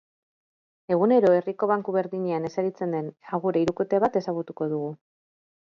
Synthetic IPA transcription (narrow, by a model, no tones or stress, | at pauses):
e̞ɣ̞une̞ɾo̞e̞riko̞β̞aŋkuβe̞ɾðiɲe̞ane̞saɾit͡se̞nd̪e̞naɣuɾeiɾuket̪e̞βat̪e̞saɣut̪uko̞ðuɣu